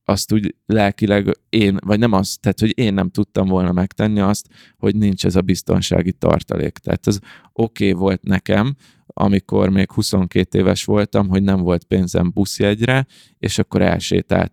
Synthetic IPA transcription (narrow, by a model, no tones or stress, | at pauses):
ʔɒst̪uːɟlɛlkilɛɡeːnvɒɟnɛmɒst̪ːaːt̪ho̞ɟeːnːɛmt̪ut̪ːɒmvo̞lnɒmɛkt̪ɛnːiɒst̪ | ho̞ɟnint͡ʃɛzɒbist̪o̞̰nʃa̰ːɡit̪ɒ̰rt̪ɒ̰lḛːkt̪a̰ːt̪ɛz | o̞keːvo̞lt̪nɛkɛm | ʔɒ̰miko̞̰rmeːkhuso̞ŋkeːt̪eːvɛʃʋo̞lt̪ɒmɦo̞ɟnɛɱvo̞lt̪̚peːnzɛ̰mbusiɛɟrɛ | eːʃɒkːo̞ɾɛ̰lʃḛːt̪a̰ːt̪